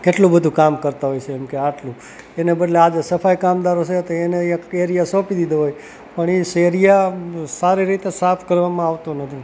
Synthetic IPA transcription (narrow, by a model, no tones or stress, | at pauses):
keʈlũbəd̪ʱũkamkəɾt̪aɦojt͡ʃʰeːmkeaʈlũ | enebəɖlead͡ʒesəfajkamd̪aɾot͡ʃʰet̪oeneəjãeɾijasɔ̃pid̪id̪oɦoj | pəɳiʃeɾijasaɾiɾit̪esapʰkəɾʋamãaʋt̪onət̪ʰi